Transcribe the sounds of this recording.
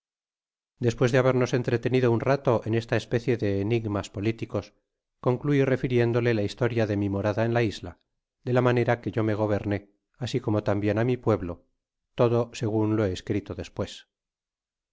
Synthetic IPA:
d̪e̞spwe̞zðeaβe̞ɾno̞se̞nt̪ɾe̞t̪e̞niðounrat̪o̞ʔene̞st̪aespe̞θje̞ðe̞ːniɣmaspo̞lit̪iko̞s | ko̞ŋkluire̞fiɾje̞nd̪o̞le̞laist̪o̞ɾjaðe̞mimo̞ɾaðaenlaizla̰ | d̪e̞lamane̞ɾake̞ʝo̞me̞ɣ̞o̞β̞e̞ɾne̞ | asikomo̞t̪ambje̞namipwe̞βlo̞ | t̪o̞ðo̞se̞ɣunloeːskɾit̪o̞ðe̞spwe̞s

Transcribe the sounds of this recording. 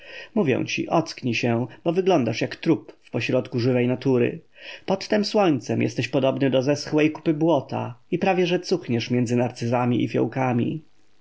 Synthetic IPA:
muvʲjɛ̰w̃t͡ɕḭʔɔt̪skɲiɕɛb̥ɔvɘɡlɔnd̪aʂjakt̪ɾupfpɔɕɾɔt̪kuʐɘvɛjnat̪uɾɘ̰ | pɔt̪ːɛmswɔɲt̪sɛmjɛ̰st̪ɛɕpɔd̪ɔbnɘd̪ɔzɛsxwɛjku̥pɘbwɔt̪a̰ipɾavʲjɛʐɛt̪suxɲɛʂmʲjɛnd̪zɘnaɾt̪sɘzamʲiḭfʲjɔ̰wkamʲḭ

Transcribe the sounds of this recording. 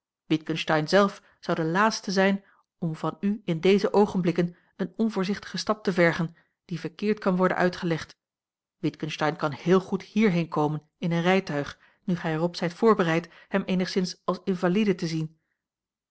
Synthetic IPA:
ʋɪtkənʃtɑjnzɛlˠf | sɑwdəlaːtstəzɛjn | ɔmvɑnyɪndejzəʔowχənblɪkən | ənɔnvʊːɹzɪχtə̥χəstɑp̚təvɛɹχən | d̥ivəɹkɪːɹtkɑnʋɔɹdə̰nʔœ̰ɥtχəlɛχt | ʋɪtkənstɑjnkɑnhɪːlˠχuthiːɹɦejnkowmən | ɪnənrɛjtœɥχ | nyχɛjɛrɔpz̥ɛjtfʊːɹbərɛjthɛmeːnəχsɪnsɑlˠsɪnvalidətəzin

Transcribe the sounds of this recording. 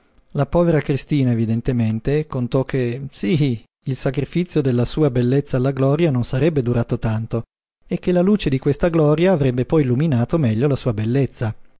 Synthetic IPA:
lapɔːveɾakɾist̪iːnaevid̪ent̪ement̪ekont̪ɔkʰːesi | ilsakɾifit̪sːjod̪elːasuːabelːet̪sːaːlːaɡlɔːɾjanonsaɾɛbːed̪uɾaːt̪ot̪ant̪o | ek̟ːelaluːt͡ʃed̪ikwest̪aɡlɔːɾjaːvɾɛbːepɔjilːuminaːt̪omɛʎːolasuːabelːet̪sːa

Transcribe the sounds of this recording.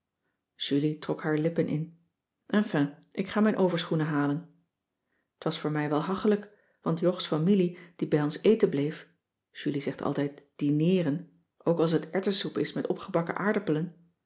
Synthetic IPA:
ʒ̥ylitrɔkɦaːɹlɪpənʔɪ̰n | ʔɛnfɛ̃ʔɪkχaːmɛjnʔowvəɹsχunəɦaːlən | ətʋɑsfʊːɹmɛjʋɛlˠɦɑχələk | ʋɑ̰ntjɔχsfamilid̥ibɛjɔnsejtənblejf | ʒ̥ylizɛχtʰɑ̰lˠtɛjtd̥inɪːrən | ʔowkɑlˠs̬ətɛɹtəsupɪsmɛtɔ̰pχəbɑkə̰ʔaːɹdəpələn

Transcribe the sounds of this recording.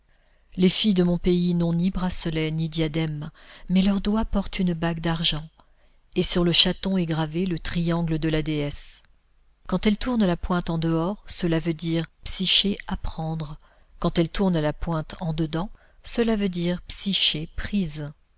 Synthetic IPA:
lefijd̪əmɔ̃peinɔ̃nibʁasəlɛnid̪jad̪ɛmːɛlœʁd̪wapɔʁt̪ynbaɡd̪aʁʒɑ̃ | esyʁləʃat̪ɔ̃ɛɡʁavelət̪χijɑ̃ɡləd̪əlad̪eɛs | kɑ̃t̪ɛlt̪uʁnalapwɛ̃t̪ɑ̃d̪əɔʁsəlavød̪iʁpsiʃeapχɑ̃d̪ʁ | kɑ̃t̪ɛlt̪uʁnalapwɛ̃t̪ɑ̃d̪əd̪ɑ̃ | səlavød̪iʁpsiʃepχiz

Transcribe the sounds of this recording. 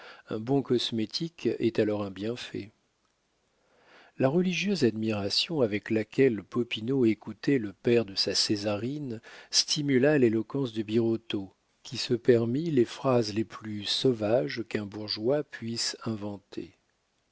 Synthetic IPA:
ɛ̰̃bɔ̃kɔsmet̪ʰikɛ̰t̪alɔʁɛ̃bjɛ̃fɛ̰ | laʁəliʒjøzad̪miʁasjɔ̃avɛklakʲɛlpɔpinoekut̪ɛləpɛʁd̪əsasezaʁinst̪ʰimylalelɔkɑ̃sd̪əbiʁot̪o | kʲʰisəpɛʁmilefχazleplysɔvaʒkɛ̃buʁʒwapɥisɛ̃vɑ̃t̪ʰḛ

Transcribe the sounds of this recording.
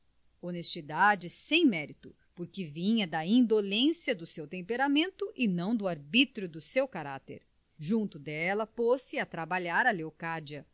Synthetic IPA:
onest͡ʃid̪ad͡ʒɪsẽj̃mɛɾit̪ʊ | poɾkɪvĩɲɐd̪ɐĩnd̪olẽsiɐd̪ʊsewt̪ẽmpeɾamẽnt̪ʊʔɪnɐ̃w̃d̪ʊaɾbit̪ɾʊd̪ʊsewkaɾat̪ḛɾ | ʒũnt̪ʊd̪ɛlɐposɪat̪ɾabaʎaɾɐleokad͡ʒiɐ

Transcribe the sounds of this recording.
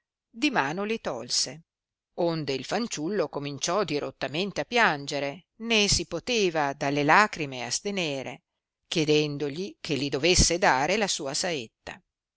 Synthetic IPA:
d̪imaːnolit̪ɔlse | ond̪eilfant͡ʃulːokomint͡ʃɔd̪iɾʔot̪ːament̪eapːjand͡ʒeɾe | nesipot̪eːvad̪alːelaːkɾimea̰st̪eneːɾḛ | k̟jed̪ɛnd̪oʎikʰelːid̪ovesːed̪aːɾelasuːasaet̪ːa̰

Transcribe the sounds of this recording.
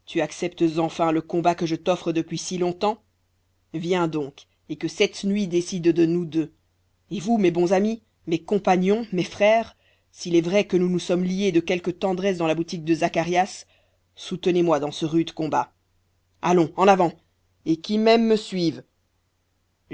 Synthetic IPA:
t̪ʰyaksɛpt̪əzɑ̃fɛ̃ləkɔ̃bakəʒət̪ɔfχəd̪əpɥisilɔ̃t̪ɑ̃ | vjɛ̃d̪ɔ̃k | ekəsɛt̪nɥid̪esid̪d̪ənud̪ø | evumebɔ̃zami | mekɔ̃paɲɔ̃mefχɛːʁ | silɛvʁɛkənunusɔmlied̪əkʲɛlkət̪ɑ̃d̪ʁɛs̬d̪ɑ̃labut̪ik̚d̪əzakaʁjasː | ut̪ənemwad̪ɑ̃səʁyd̪kɔ̃ba | a̰lɔ̃ɑ̃navɑ̃ | ekʲimɛmːəsɥiv

